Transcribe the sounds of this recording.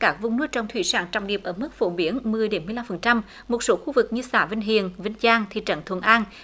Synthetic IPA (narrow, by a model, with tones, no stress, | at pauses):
kaː˦˥k̚vʊ˨ŋ͡mnɨ˧əjt͡ɕə˧˩wŋ͡mt̪ʰwḭ˧˩saː˧˩nt͡ɕɔ̰˧˨wŋ͡mɗi˨˩əp̚ʔəː˧˩mɨ˦˥k̚fo˧˩ɓi˨˧˦ənmɨ˨˩əjɗe˨˦nmɨ˧jla˧mfə˨˩nt͡ɕa˧m | mo˨˩t̚so˨˦xu˧vɨ˨˩k̚ɲɨ˧saː˧˩vï˧ŋ̟ɦḭ˧˨ənvï˧ŋzaː˧ŋt̪ʰḭ˧˨˩t͡ɕə̰˧˨nt̪ʰwə˧˩nʔaː˧n